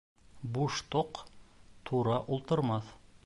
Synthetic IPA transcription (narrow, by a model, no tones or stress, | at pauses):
buʃt̪oqt̪ʰuɾɑʔulˠt̪ɤ̆ɾmɑθ